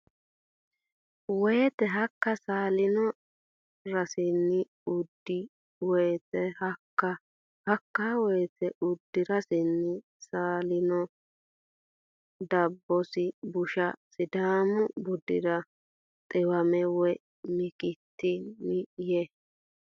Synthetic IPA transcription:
wɔjɛt̪ɛɦɐkːɐsaːlɪnɔ | ɾɐsɪnːɪ | ʊd̪ːɪ | wɔjt̪ɛhɐkːɐ | hɐkːawɔjt̪ɛʊd̪ːɪɾɐsɪnːɪ | saːlɪnɔ | d̪ɐbːɔsɪbʊʃɐsɪd̪aːmʊbʊd̪ɪɾɐ | t̪ʼɛwɐmɛwɛ | mɪkʼɪt̪ːɪmɪje

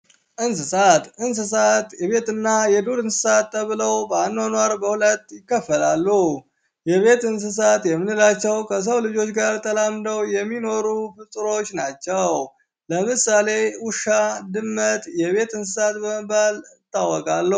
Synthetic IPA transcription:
ʔɨnsɨsat̪ʔɨns̬ɨsat̪jɛβe̞t̪ɨnːajɛd̪oɾɨnsɨ̥sat̪ːəβɨləwbəanːwanwaɾbəhulət̪ːjɪkːəfːəlalːu | jɛβe̞t̪ɨns̬ɨs̬at̪jɛmːɨnɨlat͡ʃːɛwkʰəs̬əwlɨd͡ʒo̞t͡ʃːɡaɾt̪ʰʼəlamd̪əwjɛmːino̞ɾufɨt̪ʼɾo̞t͡ʃːnat͡ʃːɛw | ləmɨsale̞wʊʃad̪ɨmːət̪ʼjɛβe̞t̪ɨnsɨsat̪bəməbalɨt̪ːawːəkʼalːə

